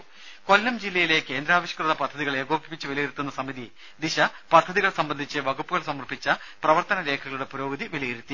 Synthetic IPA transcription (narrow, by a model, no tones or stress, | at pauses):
ko̞lːɐmd͡ʑilːɐjile̞ke̞ːnd̪ɾaːʋɐɕjɐ̥krɨðɐpɐd̪ʱːɐðiɣɐɭeːɡoːbipːit͡ɕːɨʋilɐjiɾut̪ːunːɐsɐmiði | d̪iɕɐpɐd̪ʱːɐðiɣɐɭsɐmbɐnd̪ʱit͡ɕːɨʋɐɡupːuɣɐɭsɐmɐrpit͡ɕːɐ | prɐʋɐrt̪ɐnɐɾe̞ːkʰɐɣɐɭuɽe̞puɾo̞ːɡɐðiʋilɐjiɾut̪ːi